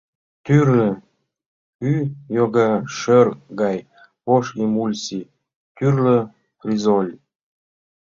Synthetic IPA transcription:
t̪yrlə | kyjoɣɑʃørɣɑj | poʃimulʲsi | t̪yrlə | frʲizolʲ

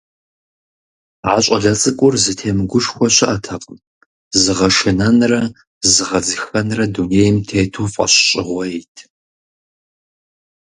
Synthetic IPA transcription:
aːɕʼɐɮɐt͡sʼɨkʷʼʊrzɨtʰeːmɨɡʷʊʃxʷɔɕɪʔɐtʰɐqʼəm | zɨʁɐʃɨnɐnrɐ | zɨʁɐd͡zɨxɐnrɐduneːjɪmtʰeːtʰufʼɐ̰ɕɕʼɪʁʷɔjetʰ

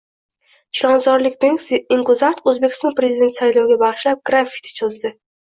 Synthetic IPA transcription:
t͡ʃʰlɒnzɒɾlɪkʲbeŋksɪŋkʊzaɾt̪ʰɵzbekʲɪ̥st̪ɒnpɾe̞zɪd̪e̞nt̪sajlɒwɡʲabɑʁɨʃlap̚ɡ̥ɾafi̥t̪ʰt͡ʃʰɨɨzd̪ɪ

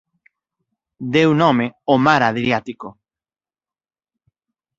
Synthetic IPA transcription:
d̪ewnɔ̃meomaɾaðɾjat̪iko

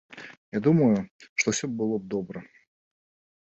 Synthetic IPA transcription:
jad̪uməjʊʂt̪ofsʲɵbɨlˠob̚d̪obɾə

